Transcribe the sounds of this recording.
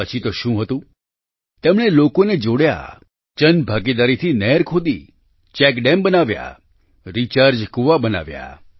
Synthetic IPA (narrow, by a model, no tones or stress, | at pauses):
ət͡ʃʰit̪oʃũɦət̪ũ | t̪emɳelokoned͡ʒoɽja̰ | t͡ʃənbʱaɡid̪aɾit̪ʰinɛɾkʰod̪ḭ | t͡ʃɛkɖembənaʋja̰ | ɾit͡ʃaɾd͡ʒkuʋabəna̰ʋja̰